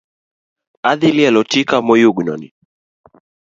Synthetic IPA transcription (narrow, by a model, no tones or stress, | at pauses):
aðilialɔtikamɔjuɡnɔ̰nḭ